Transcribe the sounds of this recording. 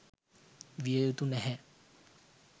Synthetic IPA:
ʋiəjut̪unɛɦɛ

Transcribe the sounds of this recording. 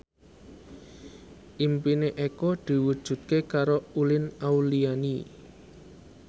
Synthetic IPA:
ʔimpineʔekɔd̪̥i̤wud̥ʒ̥ṳt̪̚kekaɾoulɪnauliani

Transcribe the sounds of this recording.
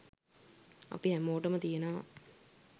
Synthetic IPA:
ɐ̰piɦæmoːʈɐmət̪ijenaː

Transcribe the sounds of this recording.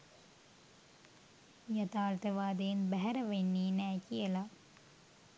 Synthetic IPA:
jɐt̪aːlt̪əʋaːd̪ejenbæɦɛɾəʋenːiːnæːkijəla

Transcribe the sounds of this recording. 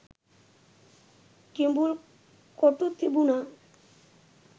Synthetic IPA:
kimbuɾ | koʈut̪ʰːibuna

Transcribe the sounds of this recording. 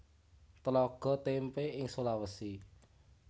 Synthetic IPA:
t̪əlɔɡ̥ɔ̤t̪empeɪŋsolawəsi

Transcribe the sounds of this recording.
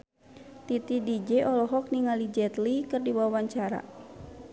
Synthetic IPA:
t̪it̪idid͡ʒɛʔɔlɔɦɔk̚niŋalid͡ʒɛt̪likɨrdibawawaɲt͡ʃaɾa̰

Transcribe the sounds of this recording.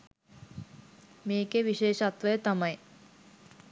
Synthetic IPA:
meːkeʋiɕeːʃɐt̪ʋɐjet̪ɐmɐj

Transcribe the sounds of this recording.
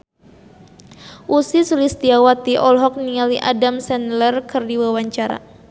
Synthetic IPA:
ʔusisulist̪iawat̪iʔɔlɦɔk̚nialiʔa̰damsɛnlərkɨrdiwawaɲt͡ʃaɾa̰

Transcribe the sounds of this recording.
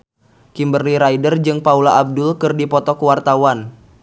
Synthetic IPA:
kimbərliɾaidərd͡ʒɨŋpaulaʔab̚dʊlkɨrdipɔt̪ɔkuwart̪awan

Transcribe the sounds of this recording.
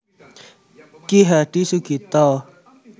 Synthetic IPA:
kiɦaɖisuɡit̪ɔ

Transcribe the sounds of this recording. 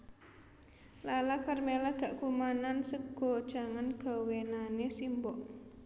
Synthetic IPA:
lalakarmelaɡ̥aʔkumanansəɡ̥ɔd̥d͡ʒ̥a̤ŋanɡ̥a̤wenanesimbɔʔ

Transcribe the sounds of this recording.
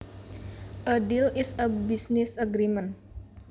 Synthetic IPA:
ʔədilisəbisnɪsəɡɾimən

